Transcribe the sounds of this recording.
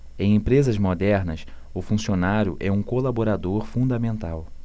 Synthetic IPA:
ẽj̃ẽpɾezɐzmod̪ɛɾnɐs | ʊfũsionaɾjʊ̰ʔɛũkolaboɾad̪oɾfũnd̪ɐmẽnt̪aw

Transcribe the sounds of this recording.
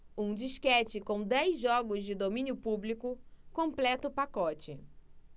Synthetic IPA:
ũd͡ʒiʃkɛt͡ʃɪkõw̃d̪ɛjzʒɔɡʊzd͡ʒɪd̪omĩnjʊpublikʊkõplɛt̪ʊpakɔt͡ʃɪ

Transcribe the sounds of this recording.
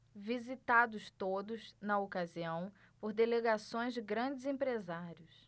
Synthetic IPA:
vizit̪ad̪ʊst̪od̪ʊznɐokaziɐ̃w̃ | poɾd̪eleɡasõj̃zd͡ʒɪɡɾɐ̃d͡ʒɪzẽpɾezaɾiʊs

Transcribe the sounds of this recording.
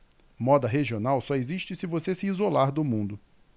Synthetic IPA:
mɔd̪ɐɦeʒionawsɔeziʃt͡ʃɪsɪvosesɪizolaɾd̪ʊmũnd̪ʊ

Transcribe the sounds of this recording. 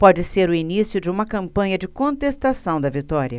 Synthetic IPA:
pɔd͡ʒɪseɾʊinisjʊd͡ʒɪũmɐkɐ̃mpɐ̃ɲɐd͡ʒɪkõnt̪est̪asɐ̃w̃d̪ɐvit̪ɔɾjɐ

